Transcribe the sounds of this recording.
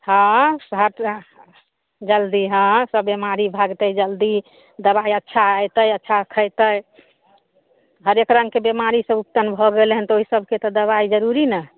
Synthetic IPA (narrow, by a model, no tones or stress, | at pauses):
hãsɦəʈ | d͡ʒəld̪iɦãsəbːemaɾibʱaɡt̪əjd͡ʒəld̪i | d̪əbaiətːʃʰaəjt̪əjətːʃʰakʰəjt̪əj | ɦəɾekɾə̃ŋɡkebemaɾisə̃bupt̪ənbʱɔɡelɦɛnt̪ɔoɦisəbʱket̪ɔd̪əβaid͡ʒəɾuɾinə